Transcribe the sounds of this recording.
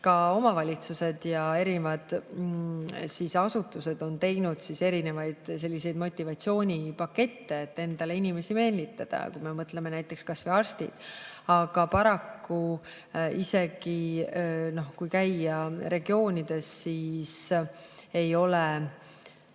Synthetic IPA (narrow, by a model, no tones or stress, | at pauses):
kɑo̞mɑvɑlʲit̪suse̞d̪jɑe̞ɾinevɑd̪̥ | sisɑsut̪ːˑuse̞d̪o̞nt̪e̞jnud̪̥sise̞ɾine̞vɑjd̪̥se̞lʲːise̞jd̪mo̞t̪ʲˑːivɑt̪sio̞ːnʲipɑkːe̞t̪ːe̞ːt̪ːe̞nd̪̥ɑle̞inʲime̞sime̞ːlit̪ːˑɑd̪̥ɑ̰kujme̞mɤt̪le̞me̞næjt̪ːˑe̞kskɑsvejɑrst̪ḭd̪̥ɑɡ̥ɑpɑɾɑkːu | ise̞ɡ̥i | no̞hkujkæjɑɾe̞ɡ̥io̞ːnʲid̪̥e̞sːiːs | e̞jo̞le